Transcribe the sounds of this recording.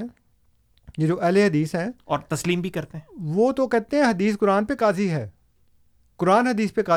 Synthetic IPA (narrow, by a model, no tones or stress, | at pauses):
jed͡ʒoːʔɛːleɦɐd̪iːsɦɛ̃ːɔːɾt̪ɐsliːmbʱikɐɾt̪eɦɛ̃ʋoːt̪okɛːt̪eɦɛ̃ɦɐd̪iːs̬kʊɾaːnpekaːziɦɛː | kʊɾaːnɦɐd̪iːspekaː